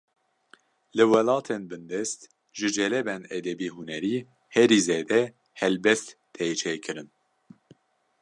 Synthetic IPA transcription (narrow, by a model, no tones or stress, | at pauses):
lɨwɛlɑːt̪ʰenbɨnd̪ɛst̪ | ʒɨd͡ʒɛlɛbɛnɛd̪ɛbiːɦunɛɾiː | hɛɾiːzeːd̪ɛ | hɛlbɛst̪ːʰejt͡ʃʰeːkʰɨɾɨn